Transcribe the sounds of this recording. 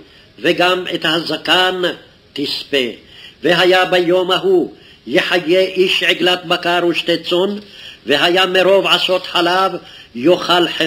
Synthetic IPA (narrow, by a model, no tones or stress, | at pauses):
veɡamɛt̪hazakan | t̪ispeveɦajabajomaɦu | jeħajːeʔiʃʕeɡlat̪̚bakaɾuʃt̪et͡sonveɦajameɾovʕasot̪ħalavjoχalħe